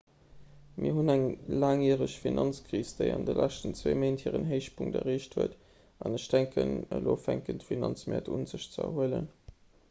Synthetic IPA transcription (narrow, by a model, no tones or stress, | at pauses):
miːɐɦunæŋlaːŋiːʁəɕfinʔɑnt͡skʁiːsd̥eɪɑndəlʔæʃtənt͡sveːmeɪnthiːʁənɦeɪʃpʰuŋtɐ̰ʁeːʃthuət | ɑnəɕd̥æŋkʰənəloːfæŋkəntəfinɑnt͡smɛ̰ːɐtunzəɕt͡səɐ̰huələn